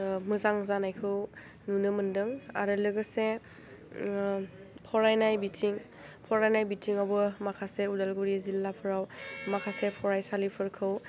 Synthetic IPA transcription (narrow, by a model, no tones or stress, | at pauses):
mɯzaŋzanajkʰɯw | nunɯmɯndɯŋa̰ɾɯlɯɡɯse | pʰɔɾajnajbitʰiŋ | pʰɔɾajnajbitʰiŋabɯmakʰaseudalɡuɾizilːapʰɯɾawmakʰasepʰɔɹajsalipʰɯɾkʰɯw